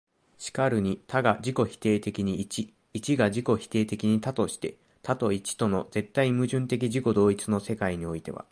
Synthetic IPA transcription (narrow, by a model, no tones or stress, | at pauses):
ɕi̥kaɾɯ̟ɲ̟it̪ʰaɡad͡ʑiko̞çi̥t̪e̞ːt̪e̞kʲiɲ̟iːt͡ɕiː | t͡ɕiɡaʑiko̞çi̥t̪e̞ːt̪e̞kʲiɲ̟it̪at̪o̞ɕi̥t̪e̞̰ | t̪ʰat̪o̞it͡ɕi̥t̪o̞no̞d͡ze̞t̪ːaimɯ̟ʑɨ̃nt̪e̞k̬ʲiʑiko̞d̪o̞ːit͡sɨno̞se̞kaiɲ̟io̞it̪e̞βa̰